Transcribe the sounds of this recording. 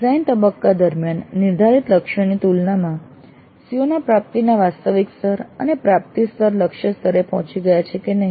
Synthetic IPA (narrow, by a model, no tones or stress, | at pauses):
zaint̪əbəkːad̪əɾmjanːɪɾd̪ʱaɾit̪ləkʃənit̪ulnamã | sijonapɾap̚t̪inaʋast̪əʋikst̪əɾə̰nepɾap̚t̪ist̪əɾləkʃəst̪ʰəɾepɔɦɔ̃t͡ʃiɡəjat͡ʃʰekenəɦi